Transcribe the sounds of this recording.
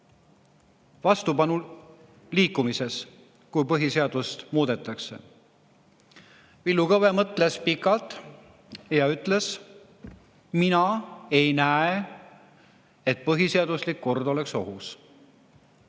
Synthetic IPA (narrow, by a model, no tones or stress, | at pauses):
vɑst̪upɑnu | liːkːumise̞s | kujpɤɦiseɑd̪̥ust̪muːd̪e̞t̪ːˑɑkse̞̰ | vilːukɤve̞mɤt̪ˑle̞spikːˑɑlt̪ˑ | jɑyt̪ːˑle̞s | minɑe̞jnæe | e̞t̪̚pɤɦiseɑd̪̥uslikːo̞rd̪o̞le̞kso̞̰ɦus